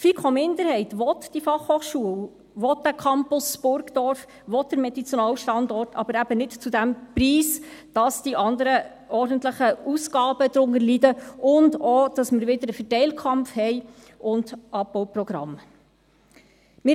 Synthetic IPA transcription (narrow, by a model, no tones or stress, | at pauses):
fikʰχɔmɪnd̪əɾhɛɪtʋɔt̪d̥ifɑχhoːχʃuəw | ʋɔt̚d̥ækʰɑmpʊsb̥ʊɾɡd̥ɔɾf | ʋɔt̚dəɾmɛd̥̪it͡sjonɑːwʃtɑnd̪ɔɾtʰɑ̰b̥əɾæb̥ənɪtt͡sudæmpriːsd̥ɑsd̥iʔɑnd̪əɾə | ʔɔɾd̥ən̩tləχəusɡ̥ɑːbəd̥̪ɾʊŋəɾlidəʔʊndɔd̥ɑsmɪɾʋɪd̥əɾəfɛtɛɪlkʰχɑmpfhɛɪ | ʔʊndʔɑp̚bɔwpɾɔɡ̥ɾɑ̰m | mɪ